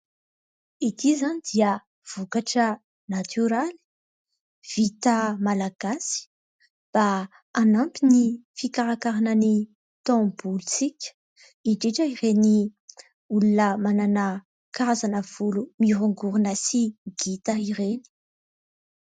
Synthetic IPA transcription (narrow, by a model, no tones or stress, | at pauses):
it̪izanid̪̥iə | v̥ukaʈ͡ʂə | nat̪ʰyɾali̥ | v̥it̪əmalaɡ̥asi̥ | b̥a | anampinifikaɾakaɾanəni | t̪ɔ̃bulut͡sikʲə̥ | iɳɖ͡ʐeʈ͡ʂəiɾeni | ulunəmananə | kaazanəv̥ulumiɾuŋɡuɾunasiɡit̪aiɾeni̥